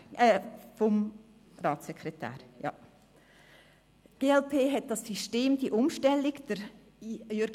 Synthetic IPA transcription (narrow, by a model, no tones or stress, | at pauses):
ɛfɔm | ɾɑːtsɛkʰɾɛtæ̰ːɾjɑ̰ | ɡ̥eːɛlpʰeːɦɛt̚d̥ɑsːyʃteːmdiʔʊmʃtɛlːɪɡd̥əɾ | jøɾɡ